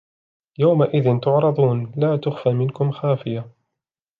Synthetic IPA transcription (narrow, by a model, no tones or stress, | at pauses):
jawmaʔɪðɪnt̪ʊʕɾˤɑðˤuːnlaːt̪ʊxfaːmɪnkʊmxaːfɪja